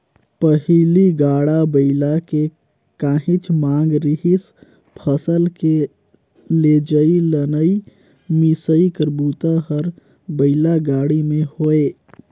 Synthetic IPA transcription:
pəɦiliɡaɽabəɪlake | kaɦit͡ʃʰmãŋɡɾiɦis | pʰəsəlke | led͡ʒəilənəi | misəikəɾbut̪aɦəɾ | bəɪlaɡaɽimehoe

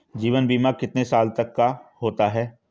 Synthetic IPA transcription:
d͡ʒiːʋənbiːmakɪt̪nesaːlt̪ɐkːaɦoːt̪aɦɛː

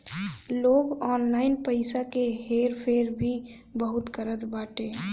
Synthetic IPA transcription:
loːɡɔːnlaːɪnpəɪsakeɦeːɾpʰeːɾbʱi | bəɦʊt̪kəɾət̪baːʈeː

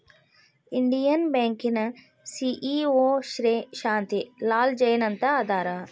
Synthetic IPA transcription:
ɪɳɖijənbɛ̃ːŋkɪn | siːʔiːoːʃɾeʃãːnt̪ilaːld͡ʒɐjnɐnt̪aːd̪aːɾa

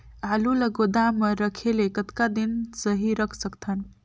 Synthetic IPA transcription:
aluləɡod̪aməɾəkʰelekət̪kad̪insəɦiɾəkʰsəkt̪ʰən

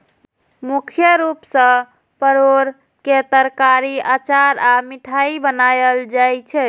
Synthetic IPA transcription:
mukʰjəɾupsə̃ | pəɾoɾ | ket̪əɾkaɾiat͡ʃaɾamiʈʰaibənajəld͡ʒajt͡ʃʰɛ

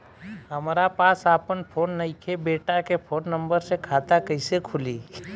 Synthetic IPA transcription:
ɦəmɾapaːsaːpənpʰoːnːəɪkʰebeːʈakepʰoːnːə̃mbəɾsekʰaːt̪akəɪsekʰʊliː

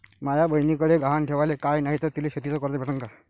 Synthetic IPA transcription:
majabəɦjnikəɽeɡʱaɦanʈʰeʋalekajnaɦit̪əɾt̪ileɕət̪it͡səkəɾt̪ebʱeʈəŋka

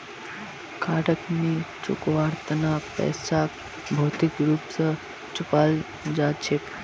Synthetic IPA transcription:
kʰaːʈəknit͡ʃṵkʋaːɾt̪ənapɛ̰ːsak | bʱoːt̪ikɾuːpsə | t͡ʃupaːl | d͡ʒaːd̪t͡ʃʰek

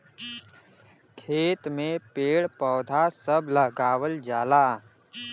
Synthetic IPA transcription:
kʰeːt̪mẽpeːɽpɔːd̪ʱasəbʱləɡaːwəld͡ʒaːlaː

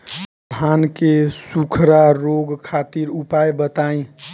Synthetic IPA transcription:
dʱankesukʰɾaɾoɡkʰat̪iɾupajbət̪aĩ

